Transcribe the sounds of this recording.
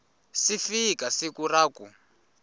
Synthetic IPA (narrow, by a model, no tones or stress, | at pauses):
sifikasikuraːku